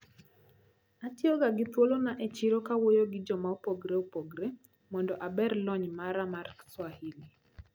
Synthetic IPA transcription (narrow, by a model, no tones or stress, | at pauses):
atjoɡaɡɪt̪wolonaʔet͡ʃiɾokawojoɡɪd͡ʒɔmaopoɡɾeopoɡɾe | mɔndɔʔabɛrlɔɲmaɾamarkswahili